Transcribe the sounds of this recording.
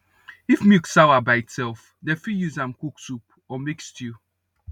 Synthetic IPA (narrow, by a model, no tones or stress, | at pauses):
ifmiksawabaɪitsɛlf | dɛfijuzãmkuksup | ɔmekstʰju